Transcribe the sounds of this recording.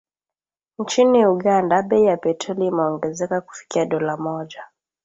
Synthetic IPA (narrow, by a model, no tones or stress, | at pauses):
nt͡ʃiniuɠandaɓɛijapɛtʰɔliːmɛɔŋɡɛzɛkaku̥fi̥kiaɗɔlamɔʄa